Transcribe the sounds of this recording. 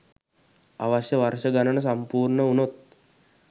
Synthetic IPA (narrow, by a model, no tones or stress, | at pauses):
aʋasjəʋarʃəɡanənəs̬ampuːrɳəunot̪̚